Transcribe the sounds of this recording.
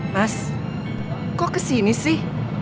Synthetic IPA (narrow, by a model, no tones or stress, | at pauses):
as | kokəsinisi